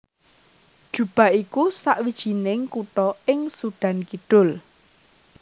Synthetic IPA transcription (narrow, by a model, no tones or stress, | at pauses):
d̥ʒ̥ṳb̥a̤ʔikusaʔwid̥ʒ̥i̤nɪŋkuʈɔɪŋsuɖ̥ä̤nkiɖ̥ʊ̤l